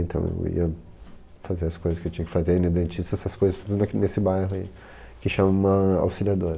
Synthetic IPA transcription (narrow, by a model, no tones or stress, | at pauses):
ẽnt̪ɐ̃w̃ḛwḭɐ | fazeɾɐskojzɐskɪewt͡ʃĩɲɐkɪfazeinid̪ẽnt͡ʃist̪ɐsɐskojzɐst̪ud̪ʊnɐnesɪbajɦʊaḭ | kɪʃɐ̃mɐũmɐa̰wsiliad̪oɾɐ